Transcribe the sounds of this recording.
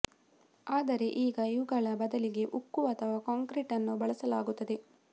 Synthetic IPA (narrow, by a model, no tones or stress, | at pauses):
aːd̪ɐɾe̞ʔiːɡɐiʋuɡɐɭɐbɐd̪ɐliɡe̞ʔukːuʋɐːt̪ʰɐʋaːkaːŋkɾiʈɐnːubɐɭɐsɐlaːɡut̪ːɐd̪e̞